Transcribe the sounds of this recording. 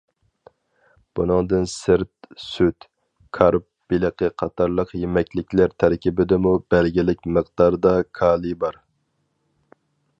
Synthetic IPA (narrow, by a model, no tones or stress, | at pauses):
b̥unɨŋd̪ɨnsɪɾt̪̚syt̪ | kʰɑɾp̚ | b̥iləqəqʰɑt̪ʰɑɾlˠəqjemɛkʲlɪkʲlæɾt̪ʰæɾkʲibɪd̪ɪmubælɡʲilɪkʲməqd̪ɑɾd̪ɑkʰɑːlˠɨbɑɾ